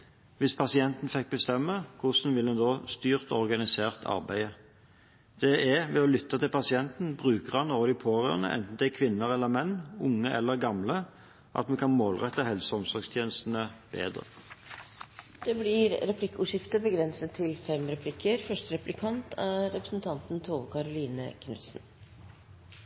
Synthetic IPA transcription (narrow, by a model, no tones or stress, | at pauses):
ʋɪspʰɑsɪɛnt̪n̩fɛk̚ːbəst̪ɛmːəkʰʊsnʋɪlɛnd̪oːst̪yːʁt̪ɔʁɡɑnɪseːʁt̪ʰɑ̰ʁbæɪə | d̪̥ɛʔɛʋɛɔlʏt̪ːət̪ɪlpɑsɪɛnt̪n̩bʁʉːkəʁɑnoːʁəd̪ɪpʰoːʁøːʁənə̰ʔɛ̰nt̪n̩d̪ɛkʰʋɪnːəʁɛlːəmɛnːʊŋːəʔɛlːəʁɡɑmlə | ʔɑ̰t̪mɛkɑnmoːlʁɛt̪ːɑhɛlsəɔmsɔʁɡst̪ʰjeːnəst̪n̩əb̥ḛːd̪ʁə̰ | d̪̥ɛblɪɾɾɛpʰlɪkːuʂɪft̪əbəɡɾɛnsət̪ʰːɪlfɛmɾɛpʰlɪkʰːəɾfœʂtəɾɛplɪkʰɑnt̪ʰæɾɛpɾəsn̩t̪ʰɑnt̪n̩t̪ʰoːʋkʰɑɾʊliːnə̰kʰnʉ̰t̪sn̩